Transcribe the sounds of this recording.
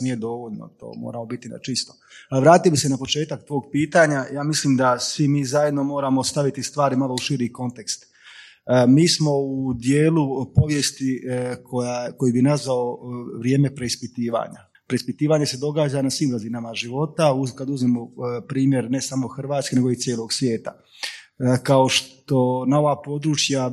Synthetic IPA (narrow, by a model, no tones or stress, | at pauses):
nije̞d̪o̞ʋoʎno̰t̪o̰ːmo̰ːɾamo̞bit̪ina̰t͡ʃist̪o̥lʋɾaːt̪iobise̞napo̞t͡ʃe̞ːt̪ak̚t̪ʋoːɡ̚piːt̪aɲajaːmislimd̪asʋimiːzaje̞d̪no̞mo̞ːɾamo̞st̪aʋit̪ist̪ʋaːɾimalouʃiɾiko̞nt̪e̞kst̪ | miːsmo̞ud̪je̞ːlupo̞ʋje̞st̪ikʰojako̞jibinazʋao̞ʋɾje̞ːme̞pɾe̞ispit̪iːʋa̰ɲa̰ | pɾe̞ispit̪iːʋaɲe̞se̞d̪o̞ɡaːd͡ʒanasʋimɡazinamaʒiʋo̞t̪aukad̪uzmemo̞pɾiːmje̞ɾne̞samo̞xr̩ʋaːt̪skene̞ɡo̞it̪sjeːlo̞ɡsʋje̞ːt̪a̰ | kao̞ʃt̪o̞nao̞ʋaːpo̞d̪ɾut͡ʃja